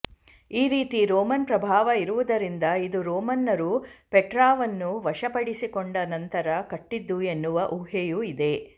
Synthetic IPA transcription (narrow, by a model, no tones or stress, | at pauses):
iːɾiːt̪iɾoːmɐnpɾɐbʱaːʋɐiɾuʋud̪ɐɾind̪ɐid̪uɾoːmɐnːɐɾupeʈɾaːʋɐnːuʋɐʃɐpɐɽisikoɳɖɐnɐnt̪ɐɾɐkɐʈːid̪ːue̞nːuʋɐʔuɦejuid̪e̞